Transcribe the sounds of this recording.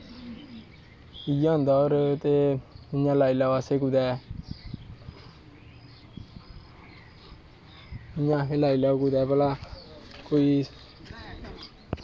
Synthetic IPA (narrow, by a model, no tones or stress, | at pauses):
ijɔ̃nd̪ɔɾət̪eiɲãlailawasekud̪ɛ | iɲãɦẽlailakud̪ɛbəlakoi